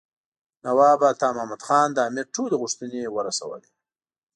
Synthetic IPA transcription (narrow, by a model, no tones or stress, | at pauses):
nawɑːbat̪ɑːmamad̪xɑːnd̪əaːmɪɾʈʰuleɣʊʂt̪ənewəɾasɐ̰wə̰li